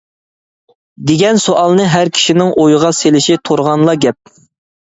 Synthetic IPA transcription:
d̪eɡʲɛnsoʔɑlˠnɨɦæɾkʲʰi̥ʃinɪŋʔojəʁɑselɪʃit̪ʰoɾʁɑnlˠɑɡʲɛp̚

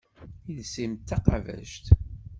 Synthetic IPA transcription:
iðsimt̪ːɑqɑvæ̰ʒt̪

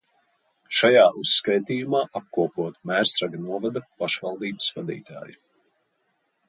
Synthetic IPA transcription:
ʃajaːʔusːkajt̪iːjumaːʔap̚kuɔpuɔt̪mæɾsɾaɡanuɔvad̪apaʃvɑlˠd̪iːbə̥svad̪ḭːt̪a̰ːji

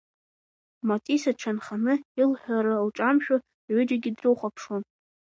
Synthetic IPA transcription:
matʼisaʈ͡ʂʰanχanɨilħʷᶣaɾalʈ͡ʂʼamʃᶣʊ | ʕʷʊd͡ʒaɡʲidrɨwχʷapʰʂon

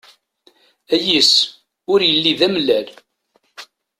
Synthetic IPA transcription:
æjəs | ʊɾjəlːiðæmlːæl

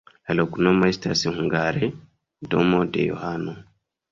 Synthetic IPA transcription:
alokunɔmajsta̰sihuŋɡaɾɛ | dɔmɔdɛ̰jɔ̰hanɔ

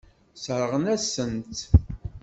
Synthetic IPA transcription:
sɾʁənæsənt̪

